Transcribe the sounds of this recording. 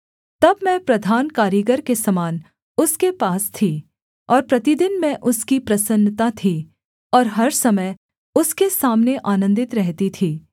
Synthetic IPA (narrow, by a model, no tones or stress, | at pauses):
t̪ɐbmɛ̃pɾɐd̪ʱaːnkaːɾjiɡəɾkesɐmaːn | ʊskepaːst̪ʰiː | ɔːɾpɾɐt̪id̪ɪnmɛ̃ʔʊskipɾɐsənːt̪at̪ʰi | ɔːɾɦɐɾsɐməj | ʊskesaːmneʔaːnə̃nd̪ɪt̪ɾɛɦt̪it̪ʰiː